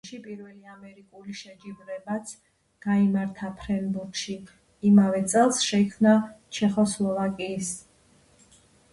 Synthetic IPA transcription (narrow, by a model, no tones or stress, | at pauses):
ʃipʼiɾvɛliamɛɾikʼuliʃɛd͡ʒibɾɛbat̪sʰ | ɡ̥aimaɾt̪ʰapʰɾɛnbuɾkʃiː | mavɛt̪sʼɛlˠsʃɛikʰmnat͡ʃʰɛχɔslˠɔvakʼiːs